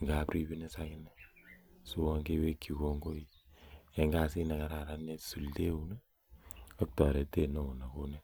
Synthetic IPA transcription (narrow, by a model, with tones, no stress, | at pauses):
ŋɡa˨pɾi˦bi˦ne˦sa˦kɪ˦nɛ˦su˦wa˧ŋɡe˦we˦kʰːi˨ko˧ŋɡo˦i˦ɛ˨ŋɡa˦si˦na˨ka˨ɾa˨ɾa˦ne˦su˨lte˦u˦nɛ˦ | a˦k̚tɔ˨ɾe˨te˦no˦u˨na˨ko˦ne˦